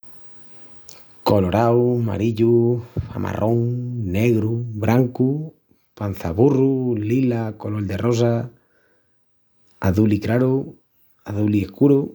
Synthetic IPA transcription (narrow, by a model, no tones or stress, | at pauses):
koloɾawma̰ɾiʎua̰mʔa̰rʔoŋneɣɾuβɾaŋku | pan̟θaβurulilakolold̪eros̬a | aðulikɾaɾu | aðuliehkuɾu